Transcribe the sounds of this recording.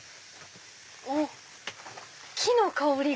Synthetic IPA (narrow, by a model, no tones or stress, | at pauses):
o | kʲʰinokaoɾʲi